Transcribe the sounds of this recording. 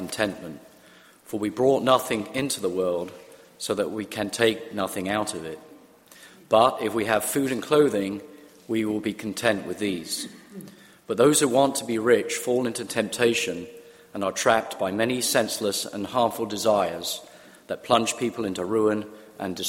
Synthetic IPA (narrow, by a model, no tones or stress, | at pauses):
n̩tʰɛ̃nmɨ̃nt | fə˞wibɹɔʔⁿnʌθɪ̃ŋɪ̃ntʰʉðəwɜ˞lˠd̥ | soʊðɨʔ̚wikʰɨ̃ntʰeɪk̚nʌθɪ̃ŋaʊɾʌvɪt̚ | b̥ʌɾɪfwiɨv̥fʉɾɨ̃nkʰl̥oʊðɪ̃ŋ | wiwɪlˠbikʰn̩tʰɛ̃nʔwɨðiz̥ | b̥ʌt̪̚ðoʊz̥hʉwɑ̃ntʰəbiɹɪt͡ʃfɔlˠɪ̃ntʉtʰɛ̃mp̚tʰeɪʃɨ̃n | ə̃nə˞tʰɹ̥æp̚tb̥aɪmɛñisɛ̃nsləsə̰̃nhɑɹɱfl̩ˠdɨzaɪə˞z̥ | ðɨt̚pʰl̥ʌ̃nʒ̥pʰipl̩ˠɪ̃ntʉɹʉə̃n | ʔɨ̃ndɨs